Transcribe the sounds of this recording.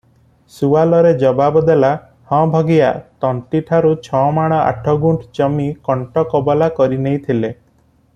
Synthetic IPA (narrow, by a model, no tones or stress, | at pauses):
suwalɔɾed͡ʒɔbabɔd̪ela | hɔ̃bʱɔɡija̰t̪ɔɳʈiʈʰaɾut͡ʃʰɔmaɽ̃ɔa̰ʈʰɔɡuɳʈt͡ʃɔmikɔɳʈɔkɔbɔlakɔɾinejt̪ʰile